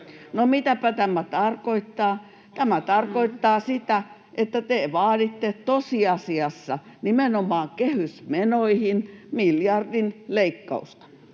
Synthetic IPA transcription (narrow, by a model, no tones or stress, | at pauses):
nomit̪æpæt̪æmæt̪ɑrkoit̪ːɑː | t̪æmæt̪ɑrkoit̪ːɑːsit̪æ | ʔet̪ːæt̪eˑʋɑːdit̪ːet̪osiɑsiɑsːɑ | nimenomɑːkehysmenoihinmiljɑrdinleikːɑ̰ust̪ɑ̥